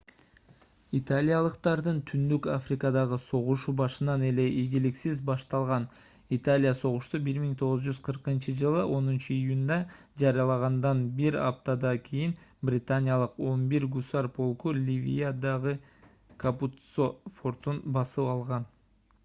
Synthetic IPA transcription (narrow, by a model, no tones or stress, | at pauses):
it̪alʲijɑlˠɯqt̪ɑɾd̪ɯnt̪ʰynd̪ykafrʲɪkɑd̪ɑʁɯso̞ʁuʃubɑʃɯnɑne̞le̞ʔiɡiliksizbɑʃt̪ɑlˠʁɑn | it̪alʲijaso̞ʁuʃt̪ubiɾmiŋt̪ʰo̞ʁəzd͡ʒyz̥qʰɯɾqɯnt͡ʃɯd͡ʒɯlˠɯʔo̞nunt͡ʃɯijunʲd̪ɑ | d͡ʒɑɾijɑlˠɑʁɑnd̪ɑnbiɾɑ̰pt̪ɑd̪ɑkʲʰijinbrʲɪt̪anʲɪjɑlˠɯqo̞nbiɾɡusaɾpʰo̞lˠkulʲivʲḭjad̪ɑʁɯ | kʰaput̪sofo̞rt̪unbɑsɯɑlˠʁɑn